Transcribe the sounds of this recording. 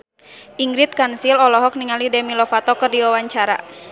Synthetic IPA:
ʔiŋɡɾit̪̚kansilɔlɔɦɔk̚niŋalidɛmilɔfat̪ɔkɨrdiwawaɲt͡ʃaɾa̰

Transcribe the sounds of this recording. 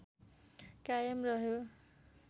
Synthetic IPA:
kajʌmrʌɦjo

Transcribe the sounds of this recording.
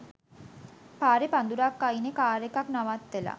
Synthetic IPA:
paːɾepand̪uɾakːainekaːɾekaknaʋat̪ʋela̰

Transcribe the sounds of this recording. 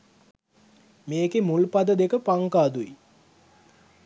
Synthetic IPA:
meːkemulpad̪əd̪ekəpaŋkaːd̪ui

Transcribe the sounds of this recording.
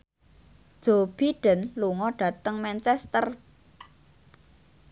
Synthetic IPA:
d̥ʒ̥ob̥iɖ̥ənluŋɔɖ̥ä̤t̪əŋmɛnt͡ʃɛst̪ər

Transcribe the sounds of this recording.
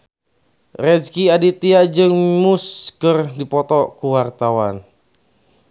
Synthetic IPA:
rɛd͡ʒkiadit̪iad͡ʒɨŋmuskərdipɔt̪ɔkuwart̪awan

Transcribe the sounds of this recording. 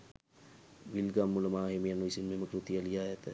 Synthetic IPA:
ʋilɡamːulɐmaːɦemejɐnːuisinmeməkɾut̪ijɐlijaːjɐt̪ə

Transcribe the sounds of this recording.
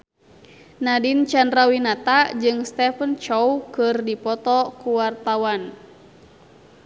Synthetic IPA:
nadint͡ʃanrawinat̪ad͡ʒɨŋst̪ɛfənt͡ʃɔwkɨrdipɔt̪ɔkuwart̪awan

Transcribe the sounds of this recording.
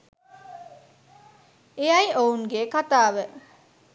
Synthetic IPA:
ejajownɡekat̪aːʋə

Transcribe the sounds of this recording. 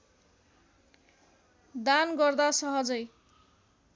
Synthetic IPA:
d̪anɡʌrd̪asʌɦʌd͡zʌj

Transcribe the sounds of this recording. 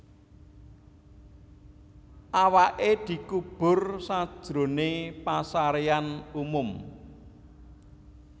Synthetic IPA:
ʔawaʔed̪̥i̤kub̥ʊ̤rsad̥ʒ̥ɾo̤nepasaɾeanumʊm

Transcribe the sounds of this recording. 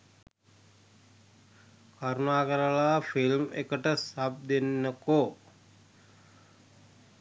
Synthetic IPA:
kʰaɾunaːkəɾəlaːfilmḛkəʈəsab̚d̪enːəko

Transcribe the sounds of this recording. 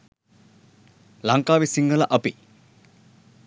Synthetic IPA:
laŋkaːʋisiŋɡəlɐʔɐpi

